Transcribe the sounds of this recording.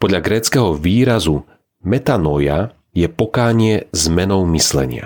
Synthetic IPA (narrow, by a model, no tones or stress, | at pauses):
pɔd̪ʎaɡɾɛːt͡skɛɦɔʋiːɾazu | mɛt̪anɔja | jɛpɔkaːɲɪɛzmɛnɔʊmislɛ̰ɲɪa̰